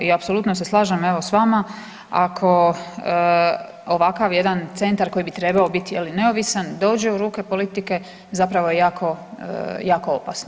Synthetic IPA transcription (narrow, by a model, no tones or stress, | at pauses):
iapso̞lˠuːt̪noseslˠaːʒame̞ʋosʋama | akʰo̞ | oʋakaʋje̞d̪ant̪se̞nt̪aɾko̞jibit̪ɾe̞baobit̪jeline̞o̞ʋisand̪o̞ːd͡ʑe̞uɾuːke̞po̞lit̪ike̞ | zapɾaʋoje̞jaːkʰo̞̰ | jaːko̞opasno